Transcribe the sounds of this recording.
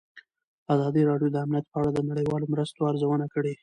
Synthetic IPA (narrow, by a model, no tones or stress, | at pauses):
azɑd̪iɾɑɽjod̪əamnijat̪̚pəaɽad̪ənaɽəjwɑlomɾəst̪oaɾzawənakəɽe